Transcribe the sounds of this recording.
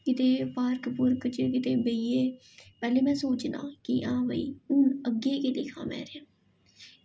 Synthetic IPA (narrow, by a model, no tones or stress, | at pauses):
kɪt̪eːpaːɾkpʊɾkt͡ʃekɪt̪eːbeieː | pɛːleːmɛ̃ːsoːt͡ʃna̰ːkɪʔãːʋəḭːʊnəɡeːkeːlɪkʰã̰ːmɛ̰̃ːɾẽː